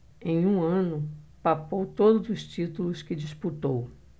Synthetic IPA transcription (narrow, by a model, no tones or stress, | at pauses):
ẽj̃ũɐ̃nʊpapowt̪od̪ʊzʊst͡ʃit̪ulʊskɪd͡ʒisput̪ow